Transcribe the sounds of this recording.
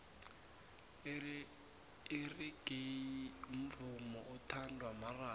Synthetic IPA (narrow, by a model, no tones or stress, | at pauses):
riɡem̩vumɔʔutʰandʱwamaraː